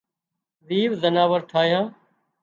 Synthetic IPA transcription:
ziːʋzənaːʋəɾʈʰaːjãː

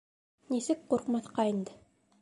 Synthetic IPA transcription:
nisɘk̚quɾqmɑθqɑind̪ɘ

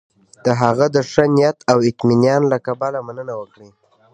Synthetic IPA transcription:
d̪̥əɦaɣad̪əʂənɪjat̪awɪt̪minjɑnlakabalamanənawəkɽi

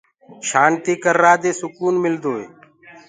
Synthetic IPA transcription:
ʃaːnt̪iːkəɾːaːd̪eːsʊkuːnmɪld̪oːḛː

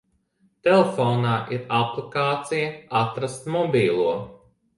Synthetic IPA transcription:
t̪elefɔːnaːʔiɾaplˠikaːt̪sijɐat̪ɾast̪mɔbʲiːlˠuɔ

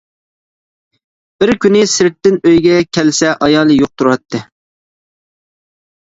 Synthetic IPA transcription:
b̥ɪɾkʲʰynɪsɪɾɪt̪ːɪnøjɡʲɛkʲʰɛlsɛʔɑjɑːlˠɨjoq̚t̪ʰuɾɑt̪ʰːɨ

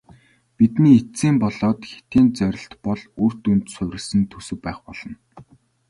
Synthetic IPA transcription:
pit̪niːet͡siːmpɔɮɔːt̪xe̥t̪iːnt͡sœɾʲɪ̆ɬt̪pɔɮuːr̥t̪unt̪sʊwʲɾʲɪ̆sɘ̆nt̪ʰɵsɵ̆k̚pæːχpɔɮ̥ɞ̆n

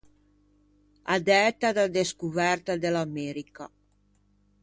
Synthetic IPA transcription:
ad̪ɛt̪ad̪ad̪eskuvɛrt̪ad̪elamɛɾika̰

